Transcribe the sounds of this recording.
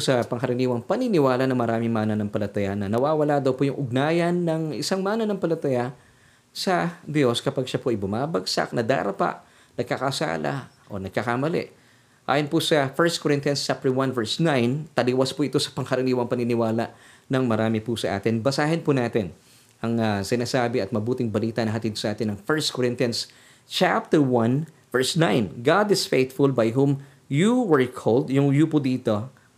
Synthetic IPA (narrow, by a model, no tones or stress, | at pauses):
sɐpɐŋkɐɾɪniːwɐŋpɐnɪnɪwaːlɐʔnɐŋmɐɾaːmɪŋmaːnɐnɐŋpɐlɐt̪ɐjanɐnɐwaːwɐlad̪ɐwpʊjʊŋʔʊɡ̚naːjɐnːɐŋɪsaŋmaːnɐnɐŋpɐlɐt̪ɐja | sɐd̪jo̞skɐpaɡʃapoʔɐjbʊmaːbɐɡsa̰k̚nɐd̪a̰ːɾɐpa̰ʔ | nɐɡ̚kɐkɐsa̰ːlɐ̰ʔo̞̰nɐɡ̚kɐkamɐlɛ̰ʔ | ʔa̰ːjonpʊsɐfɛɹst̪̚koɾɪnt̪ijɐnst͡ʃap̚t̪ɛwanvɛɹsnajnt̪ɐliwɐspʊʔɪt̪o̞sɐ̥pɐŋkɐɾɐniːwɐŋpɐŋɪnɪwaːlɐʔ | nɐŋmɐɾaːmɪpʊsɐʔa̰ːt̪ɪnbɐsaːɦɐnpʊnaːt̪ɪn | ʔɐŋasɪnaːsaːbɪɐt̪̚mɐbuːt̪ɪŋbɐliːt̪ɐnɐɦɐt̪id̪̚sɐʔaːt̪ɪnɐŋfɛɹst̪̚kʰoɹɪnt̪ɪɐns | t͡ʃap̚t̪ɛɹwãn | vɛɹsnãjnɡad̪ɪsfejt̪fʊlbɐjɦum | juwɛɹkʰold̪jʊŋjupʊd̪iːt̪o̞